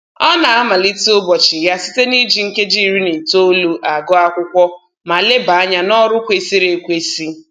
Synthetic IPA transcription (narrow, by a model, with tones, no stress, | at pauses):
ɔ˦na˨a˦ma˨li˦to˦bɔ˨t͡ʃi˨ja˦si̥˦te˦ni˦d͡ʒi˨ŋ̩˦ke˦d͡ʒi˦˨ɾi˦ne˨to˦lu˦ʔa˨ɡɔ˦a˦kʷʊ˦kʷɔ˦ | ma˨le˦ba˨a˦ɲa˦nɔ˦ɾʊ˦kʷe˦si˦ɾe˨kʷe˦si˦